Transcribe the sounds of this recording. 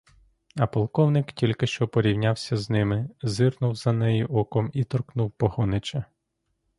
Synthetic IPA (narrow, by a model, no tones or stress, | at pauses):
ɐpɔlˠkɔwnɪktʲilʲkɪʃt͡ʃɔpɔɾʲiwnʲawsʲɐznɪmɪzɪrnʊwzɐnɛjiʔɔkɔmit̪ɔrknuwpɔhɔnɪt͡ʃɐ